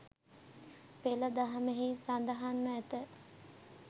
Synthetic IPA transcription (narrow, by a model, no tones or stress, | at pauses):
peləd̪aɦameɦisand̪əɦanməæt̪ə